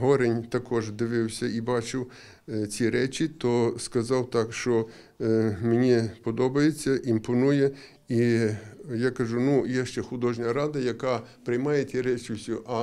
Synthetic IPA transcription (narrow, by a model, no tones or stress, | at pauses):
ɦɔɾenʲt̪ɐkɔʒd̪ɪʋɪwsʲɐibɑt͡ʃɪw | t͡sʲiɾɛt͡ʃʲit̪ɔskɐzɑwt̪ɑkʃt͡ʃɔ | menʲipɔd̪ɔbɐjet͡sʲːɐʔimpɔnujɛ | i | jɑkɐʒunujɛʃt͡ʃɛxʊd̪ɔʒnʲɐɾɑd̪ɐjɐkɑpɾɪjmɑjet͡sʲiɾɛt͡ʃɪwsʲʊʔɐ